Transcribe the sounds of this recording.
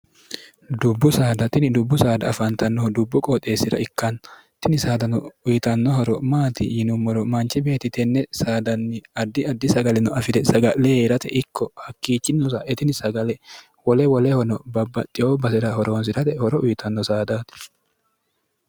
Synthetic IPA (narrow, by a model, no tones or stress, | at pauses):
d̪ʊbːʊsaːd̪ɐt̪ɪnɪd̪ʊbːʊsaːd̪ɐɐfɐnt̪ʰɐnːɔd̪ʊbːʊkʼɔt̪ʼe̞ːsɪɾɐ̰ɪkːɐn | t̪ɪnɪsaːd̪ɐnʊʊjɪt̪ɐnːɔɦɔɾɔmaːt̪ɪ̰jɪnʊmːɔɾɔmɐnt͡ʃːɪbe̞ːt̪ɪt̪ɛnːɛsaːd̪ɐnːɪɐd̪ːɪɐd̪ːɪsɐɡɐlɛnʊɐfɪd̪ɛsɐɡɐlleɾɐt̪ɛʔɪkːɔhɐkːiːt͡ʃːɪnːʊsɐʔɛt̪ɪnɪsɐɡɐlɛ | wɔlɛwɔlɛhɔnɔbɐbːɐt̪ʼːɪjoːbɐsɪɾɐhɔɾoːns̬ɪɾɐt̪ɛhɔɾɔʔʊjɪt̪ɐnːɔsaːd̪aːt̪ɪ̥